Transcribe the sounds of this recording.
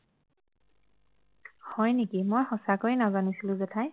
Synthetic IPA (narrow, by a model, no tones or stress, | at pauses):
hɔjnekimojxɔsakoinazanisilʊ̃zɛtʰaj